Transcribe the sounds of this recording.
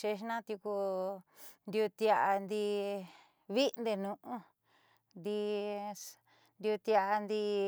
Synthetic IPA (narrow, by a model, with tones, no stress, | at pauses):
ʃe˧ʃnã˦t̪ju˧ku˧ | nd̪u˧t̪i˧a˧ʔa˧nd̪i˧ | βi˦˧nd̪e˧nũ˧ʔũ˦ | nd̪i˧ | nd̪u˧t̪i˧a˧nd̪i˧